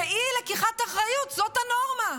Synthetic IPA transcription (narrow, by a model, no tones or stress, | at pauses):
ilekiχataχʁajut̪zo̞thano̞ʁma